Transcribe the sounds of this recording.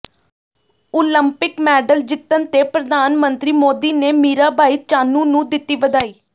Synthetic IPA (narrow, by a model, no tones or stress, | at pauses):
oːləmpɪkmɛːɖəld͡ʒɪt̪ːənt̪eːpɾəd̪ʱaːnmənt̪ɾiːmoːd̪iːneːmiːɾaːbʱaːiːt͡ʃaːnũːnũːd̪ɪt̪ːiːʋəd̪aːiː